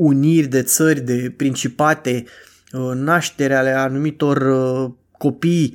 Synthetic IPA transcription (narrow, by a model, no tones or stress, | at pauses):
unirʲd̪e̞t̪sərʲd̪e̞pɾint͡ʃipat̪e̞ | naʃt̪e̞ɾealeanumit̪o̞r | ko̞pij